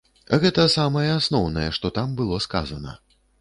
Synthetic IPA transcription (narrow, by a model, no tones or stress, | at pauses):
ɣɛt̪ɐsamɐjɛasnɔwnɐjɛʂt̪ɔt̪ambɨlˠɔska̰zɐnɐ̰